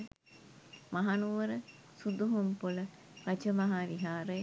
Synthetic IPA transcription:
maɦanuʋəɾə | sud̪uɦumpulə | rɐt͡ʃəmaɦaʋiɦaːɾəj

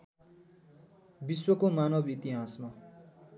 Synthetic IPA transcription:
biswʌkomanʌbit̪iɦasma

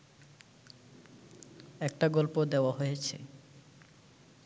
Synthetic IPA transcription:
ɛk̚ʈaɡɔlpod̪eowaɦojet͡ɕʰḛ

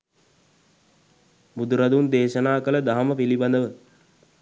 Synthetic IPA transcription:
bud̪uɾad̪und̪eːʃənaːkələd̪aɦaməpiliband̪əʋə

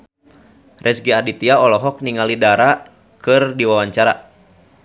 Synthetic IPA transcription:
rʔɛsɡiadit̪iaɔlɔɦɔk̚niŋalidaɾa | kɨrdiwawaɲt͡ʃaɾa

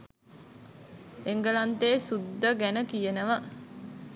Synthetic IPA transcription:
eŋɡəlant̪eːsud̪ːəɡænəkijənəʋə

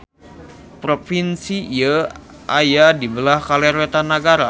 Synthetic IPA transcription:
pɾofinsijə | ʔajadibəlahkalɛɾet̪anaɡaɾa

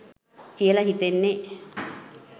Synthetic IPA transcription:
kiəlaɦit̪enːe

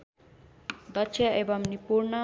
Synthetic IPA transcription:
d̪ʌt͡ʃʰjʌebʌmnipuɾnʌ

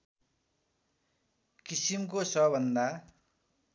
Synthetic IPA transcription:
kisimkosʌbʱʌnd̪a

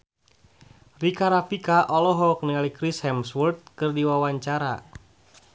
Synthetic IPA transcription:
rikaɾafikaʔɔlɔɦɔk̚niŋalikɾishɛmswurt̪̚kɨrdiwawaɲt͡ʃaɾa̰

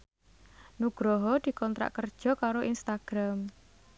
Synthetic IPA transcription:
nuɡ̥ɾɔɦɔd̪̥i̤kɔnt̪ɾa̰ʔkərd̥ʒ̥ɔ̤kaɾoʔinst̪aɡ̥ɾam

